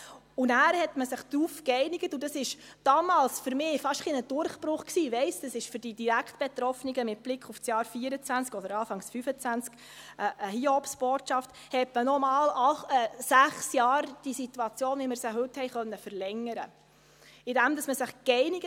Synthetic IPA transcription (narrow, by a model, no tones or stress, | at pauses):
ʊnæːɾhɛtməsɪχd̥̪ɾufkɛɪnɪɡ̥ətʊd̥ɑsɪʃd̥ɑːmɑːlsfʏɾmɪːfɑʃχinəd̥ʊɾχb̥ɾʊχksiːʋɛɪsd̥ɑsɪʃføɾd̥idiɾæktb̥ɛt̪ɾɔfniɡəmɪt̚b̥lɪkʰχufsjɑːɾfiːəɾət͡sʋænt͡skɔdəɾɑːfɑŋsfyfət͡sʋænt͡sk | əʔəɦiɔpsb̥oːtʃɑft | hɛtmənɔmɑːlɑɛsæχsjɑːɾd̥isit̪uɑt͡sjoːnʋiməɾsəɦɵthɛɪjχœnːəfəɾlɛŋːəɾə | ɪd̥æmd̪ɑsməsɪχkɛɪnɪɡə